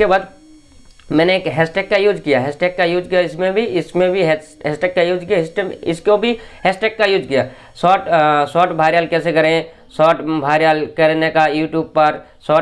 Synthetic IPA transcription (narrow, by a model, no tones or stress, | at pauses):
kebaːd̪ | mɛ̃ːneeːkɦɛːsʈeːkːajuːd͡ʒkijaɦɛːsʈeːkːajuːd͡ʒkijaɪsmẽbʱiɪsmẽbʱiɦɛɦɛːsʈeːkːajuːd͡ʒkijaɪsʈeɪskobʱiɦɛːsʈeːkːajuːd͡ʒkijaː | sɔːʈsɔːʈbʱaːɾjaːlkɛːsekɐɾẽ | sɔːʈbʱaːɾjaːlkɐɾnekajuːʈjuːb̚pəɾ | sɔː